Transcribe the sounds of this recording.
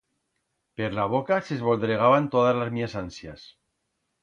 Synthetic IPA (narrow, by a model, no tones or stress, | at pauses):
peɾlaβ̞o̞kasezβo̞ld̪ɾeɣ̞aβant̪oð̞azlazmiasansjas